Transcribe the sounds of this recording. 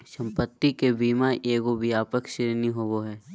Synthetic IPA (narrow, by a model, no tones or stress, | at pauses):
sɐ̃mpət̪ːikebiːmaʔeːɡobijaːpəkʃɪɾniɦoːʋoɦɛː